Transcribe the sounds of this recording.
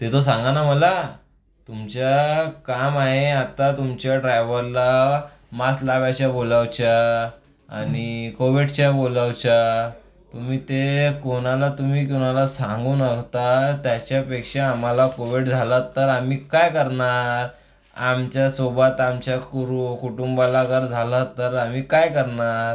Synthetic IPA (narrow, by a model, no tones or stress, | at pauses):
t̪et̪os̬ãŋɡanaməla | t̪umt͡ɕakamaɦeat̪at̪umt͡ɕjaɖɾajʋəɾla | maslaʋjaɕaboləwt͡ɕa | a̰nikoʋiɽt͡ɕaboləwt͡ɕa | t̪umiːt̪ekoñalat̪um̤iːkuñalasãŋɡuːnəkt̪at̪jat͡ɕjapekʂeam̤alakoʋiɽd͡zʱalat̪ːəɾamiːkajkəɾɳaɾ | amt͡ɕjasobat̪amt͡ɕjakuɾukʰuʈumbalakəɾd͡zʱalat̪ːəɾam̤iːkajkəɾɳaɾ